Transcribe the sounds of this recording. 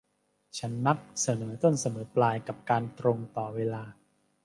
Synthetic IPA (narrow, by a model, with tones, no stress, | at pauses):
t͡ɕʰa˦˥nːa˦˥k̚sa˧nɤː˩˦t̪o˥˩nsa˧nɤː˩˦plaː˧jka˨˩p̚kaː˧nt̪ɾo˧ŋt̪ɔː˨˩weː˧laː˧